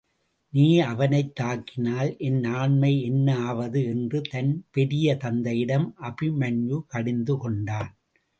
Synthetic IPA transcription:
niːɐʋɐnɐɪt̪ːaːkːɪnaːlʔɛnnaːnmɐɪɛnːɐaːʋɐðɯɛndrɯt̪ɐnpɛɾɪjɐt̪ɐnd̪ɐjɪɽɐmʔɐbɪmɐnjukɐɽɪnd̪ɯkɔɳɖaːn

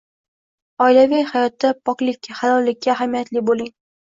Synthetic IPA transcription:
ɒɪlavajhajɒt̪ːapʰɒklɪkʲːahalɒlːɪkʲʰːaːɦamijat̪lɪbolɪŋ

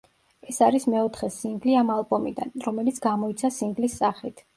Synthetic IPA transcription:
ɛsaɾismɛɔt̪ʰχɛsiŋɡliamalˠbɔmid̪a̰nɾɔmɛlit̪sʰɡ̥amɔit̪sʰasiŋɡlisːaχit̪ʰ

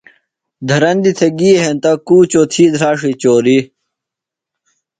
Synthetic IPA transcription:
d̪ʱɐɾɐnd̪it̪ʰeɡiːeɦent̪ɐkuːt͡ɕoːt̪ʰiːd̪ʱɾaːʂit͡ɕoːɾi

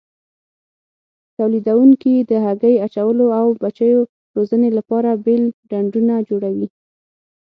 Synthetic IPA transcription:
t̪awlid̪awuŋkid̪əɦaɡəjat͡ʃawəloawbat͡ʃəjo | ɾozənelapɑɾabelɖaɳɖunad͡ʒoɽawi

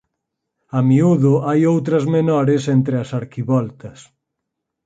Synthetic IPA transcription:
ɐmiuðʊajowt̪ɾɐzmenɔɾɪsent̪ɾɪɐsaɾkiβɔlt̪ɐs

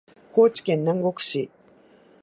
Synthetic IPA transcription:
ko̞ːt͡ɕi̥kẽ̞nːãŋɡo̞kɯ̟̥ɕi

